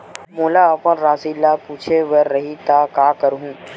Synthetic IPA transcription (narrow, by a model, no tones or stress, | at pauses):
moːlaəpə̃nɾaːsilːapuːt͡ʃʰeʋɐɾːɐɦit̪aːkaːkəɾɦũː